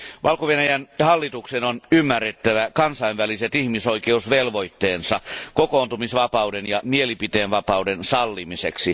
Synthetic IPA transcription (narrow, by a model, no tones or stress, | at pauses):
ʋʔɑlkoʋenæjænhɑlːit̪uksenonymːærːet̪ːæʋækɑnsɑinʋæliset̪ihmisoikeusʋelʋoit̪ːeːnsɑkokoːnt̪umisʋɑpɑudenjɑmielipit̪eːnʋɑpɑudensɑlːimiseksi